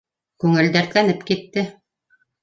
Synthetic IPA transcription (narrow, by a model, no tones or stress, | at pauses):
kʉŋɘ̆ld̪æɾt̪lænɘpkit̪ːɘ